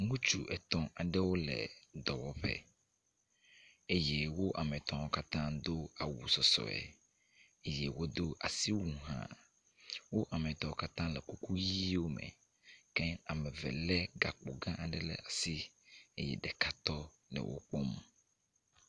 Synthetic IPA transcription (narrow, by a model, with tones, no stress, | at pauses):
ŋũ˦t͡ʃu˨ʔɛ˨t̪ɔ̃˨ʔa˨ɖɛ˦wo˦lɛ̰˨d̪ɔ˨wɔ˦ɸɛ̰˦ | e˦je˦wo˦ʔa˨mɛ̃˨t̪ɔ̃˨wo˦ka˦t̪ã˦d̪o˦a˨wṵ˨sɔ˨sɔ̰˨ɛ̰˨ | e˦je˨wo˦d̪o˦ʔa˨si˦wu˨ɦã̰˨ | wo˦ʔa˨mɛ̃˨t̪ɔ̃˨˦wo˦ka˦t̪ã˦lɛ˨ku˦ku˦ji˦wo˦mɛ̰̃˨ | ke˦a˨mɛ̃˨vɛ˨lɛ˦ɡa˨k͡po˨ɡã˦ʔa˨ɖɛ˦lɛ̰˨a˨si˦e˦jɛ̰˨ɖɛ˨ka˦t̪ɔ˦ | lɛ̰˨wʔo̰˦k͡pɔ˦mũ˨